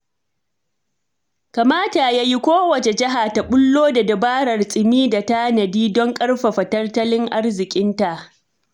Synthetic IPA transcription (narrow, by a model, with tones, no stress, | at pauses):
ka˨maː˦ta˨jaː˦ji˦kʷoː˦wɐ˨t͡ʃe˨d͡ʒɐ˦ɦa˨ta˨ɓʊ˦lːoː˦da˨dɐ˨baː˦ɽɐ˨rsʼɪ˨miː˦da˨ta˦nɐ˨diː˦dɔ˦ŋkʼɐ˦rɸa˨ɸɐ˨tɐ˦rtɐ˦lɪ˦ŋʔa˦rzɪ˨kʲʼɪ˦nta˨ʔ